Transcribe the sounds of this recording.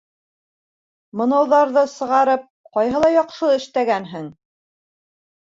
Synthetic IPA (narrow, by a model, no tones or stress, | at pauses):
mɤ̆nɑwðɑɾðɤsɤ̆ʁɑɾɤp̚ | qɑjɦɤlˠɑjɑqʃɤɘ̆ʃt̪æɡænɦɘŋ